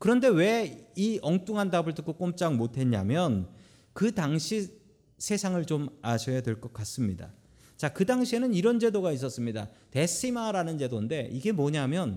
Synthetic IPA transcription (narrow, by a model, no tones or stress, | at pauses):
kɯɾʌnde̞we̞iʌŋt͈uŋɦandabɯɭtɯk͈ok͈omt͡ɕ͈aŋmotʰe̞ɲa̰mjʌn | kɯdaŋɕʰi | sʰe̞sʰaŋɯɭt͡ɕomaɕʰʌjadwe̞ɭk͈ʌk͈as͈ɯmɲida̰ | t͡ɕakɯdaŋɕʰie̞nɯniɾʌnd͡ʑe̞doɡais̬͈ʌs͈ɯmɲidate̞sʰimaɾanɯnd͡ʑe̞donde̞ʔiɡe̞mʌɲaɦamjʌn